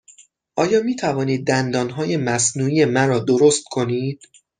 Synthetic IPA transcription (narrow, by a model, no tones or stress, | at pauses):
ʔɒːjɒːmiːt̪ʰævɒːniːd̪̚ːænd̪ɒːnɦɒːje̞mæsnuːije̞mæɾɒːd̪o̞ɾost̪̚kʰo̞niːd̪̥